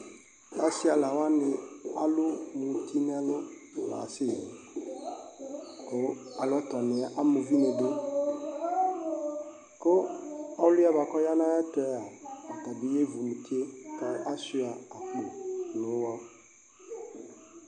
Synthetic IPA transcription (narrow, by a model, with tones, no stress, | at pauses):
ta˦sɪ˦a˨la˨wa˦nɪ˨a˦lʊ˦mũ˨tʰi˦n˦a˨˦lʊ˦˨la̰˨sɪ˦˨i˨ | kʊ˦a˨lɔ˦t̪ɔ˨nɪ˨˦ʔa˦mo˨vi˦ne˨de˦ | kʊ˦ɔ˦lʊ˦a˦ba˨kɔ˦ja˦nã˦ja˦tɛ˨˦a˨a˨t̪a˨bi˦je˦vu˨mũ˨t̪i˦e˦ka˨ʔa˦su˦a˨a˨klu˨nʊ̃˨˦wa˦